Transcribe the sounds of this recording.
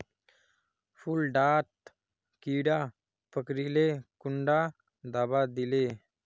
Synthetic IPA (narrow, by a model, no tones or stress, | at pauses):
fulɖaʈ | kiɽa | pəkɾilekuɳɖa | d̪abad̪ile